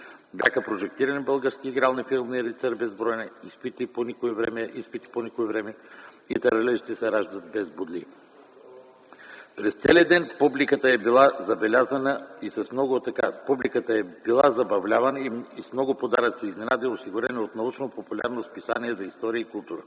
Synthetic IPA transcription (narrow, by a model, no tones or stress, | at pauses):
bjʲa̰xəpɾoʒɛkt̪iɾɐnibəlˠɡəɾskiːɡɾalˠnifilˠmiɾit̪sɛɾbɛzbɾɔjnɛispit̪iponʲikoɛvɾɛ̰mɛʔispit̪i̥ponikoɛvɾɛmɛ | it̪ɐɾɐlɛʃit̪ɛsɛɾaʒd̪ət̪̚bɛzbud̪lḭ | pɾɛst̪sɛliəd̪ɛnpublikət̪əɛbilˠazɐbɛlʲazɐnəisɐsmnɔɡʊt̪ːɐkapublikət̪əɛbilˠazɐbɐvlʲavɐnəismnɔɡʊpod̪aɾət̪sɛiznɛnad̪iosiɡʊɾɛnɛot̪nɐut͡ʃnopopulʲa̰ɾnospisaniɛzɐist̪ɔɾijəikʊlˠt̪uɾə̰